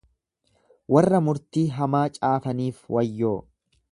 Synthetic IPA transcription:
wɐrːɐmʊɾt̪iːɦɐmaːt͡ʃʼaːfɐniːfwɐjːoː

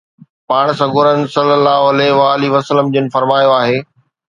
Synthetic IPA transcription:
paːɽ̃sɐɡʊɾənɪ̆sɐləlːaːɦoɐleʋaːliʋɐsələmd͡ʑɪnɪ̆fɐɾmaːjoaːɦeː

